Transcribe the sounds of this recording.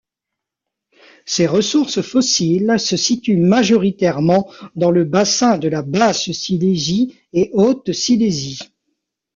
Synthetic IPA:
seʁəsuʁsfɔsilsəsit̪ymaʒɔʁit̪ɛʁmɑ̃d̪ɑ̃ləbasɛ̃d̪əlabassilezi | eʔot̪silezi

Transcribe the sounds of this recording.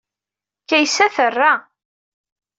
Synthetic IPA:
kæjsæθərːa

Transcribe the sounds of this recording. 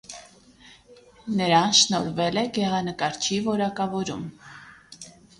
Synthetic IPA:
nəɾɑnʃnɔɾvɛlɛɡɛʁɑnəkɑɾt͡ʃʰivɔɾɑkɑvɔɾum

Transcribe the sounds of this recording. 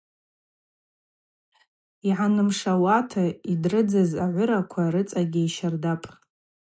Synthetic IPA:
iʕanɨmʂawatʰaidrɨd͡zɨzaʕʷʊɾakʷʰaɾɨt͡sʼaɡʲiiʃardapʼ

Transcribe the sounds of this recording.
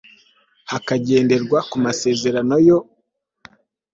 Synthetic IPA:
hakaɟe̞ːnde̞ɾɡwakumase̞ːze̞ɾano̞jo̞

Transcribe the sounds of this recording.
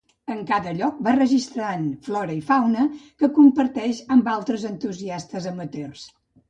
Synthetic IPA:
əŋkaðəʎɔk̚barəʒist̪ɾanflɔɾəifawnəkəkumpəɾt̪ɛʃəmbalˠt̪ɾəzənt̪uziast̪əzəmət̪ers

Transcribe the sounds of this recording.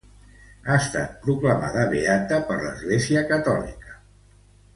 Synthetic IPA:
aəst̪a̰t̪̚pɾukləma̰ðəβeat̪əpəɾlə̰zɣleziəkət̪ɔlḭkə̥

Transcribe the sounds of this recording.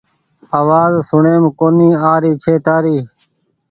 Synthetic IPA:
aːʋaːzsʊɳeːmkoːniːaːɾiːt͡ʃʰeːt̪aːɾiː

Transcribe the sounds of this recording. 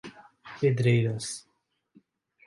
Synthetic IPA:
ped̪ɾejɾas

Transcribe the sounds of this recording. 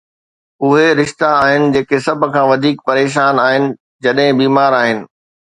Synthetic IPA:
ʊɦeɾɪʃt̪aːɦɪnɪ̆d͡ʑeːkesɐbʱʊ̆kʰãːʋɐd̪ʱiːk̚pɐɾeːʃ̬aːnaːɦɪnɪ̆ | d͡ʑɐɗɦɪ̃biːmaːɾaːɦɪnɪ̆

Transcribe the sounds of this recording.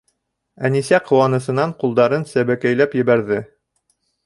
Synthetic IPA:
ænisæqʰŏwɑnɤ̆sɤ̆nɑɴqulˠd̪ɑɾɤnsæβækæjlæpjɘ̆βæɾðɘ

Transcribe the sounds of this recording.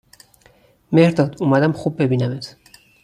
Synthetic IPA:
mehɾd̪ɒd̪umæd̪æmχub̚ːebinæmet̪

